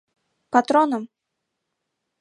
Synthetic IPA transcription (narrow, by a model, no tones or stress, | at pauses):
pat̪ɾɔnɐm